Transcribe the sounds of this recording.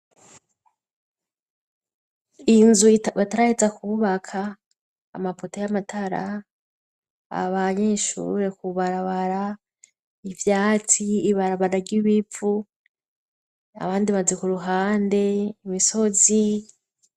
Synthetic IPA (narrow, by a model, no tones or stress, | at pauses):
inzuβataɾahezakuβakʰa̰ː | mapotejamatʰaɾa̰ | βaɲe̞ʃṵːɾe̞kuβaɾaβaɾa | ivjaːt͡siːβaɾaβaɾaɾɟiβifu | a̰βaːndiβazekuɾuɦaːnde̞imiso̞zi